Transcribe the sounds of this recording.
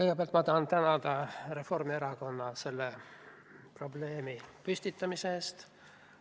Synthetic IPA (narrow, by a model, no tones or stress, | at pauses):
kɤjɡ̥epeɑlt̪mɑt̪ɑɦɑnt̪ænɑd̪ɑre̞fo̞rmieɾɑko̞nːɑse̞lːe | pro̞ble̞ːmipysʲt̪it̪ːˑɑmiseːst̪